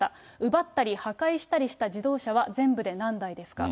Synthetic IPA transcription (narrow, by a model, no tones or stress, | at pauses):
a | ɯ̟bat̪ːaɾʲihakaiɕi̥t̪aɾʲiɕi̥t̪aʑid̪o̞ːɕaβ̞azẽ̞mbɯ̟d̪e̞nãnd̪aid̪e̞sɨ̥ka̰